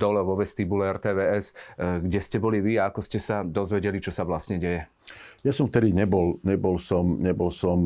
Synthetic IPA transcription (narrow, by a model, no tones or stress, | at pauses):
d̪ɔlɛʋɔʋɛst̪ibulɛɛɾt̪ɛːʋɛːɛsɡɟɛscɛbɔliʋiaakɔscɛsad̪ɔzʋɛɟɛlit͡ʃɔsaʋlast̪ɲɛɟɛjɛ | jasɔ̃mft̪ɛd̪iɲɛbɔlɲɛbɔlsɔmɲɛbɔlsɔm